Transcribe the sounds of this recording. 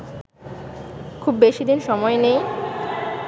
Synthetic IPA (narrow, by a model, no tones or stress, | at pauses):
kʰubːeʃid̪inʃɔmɔenej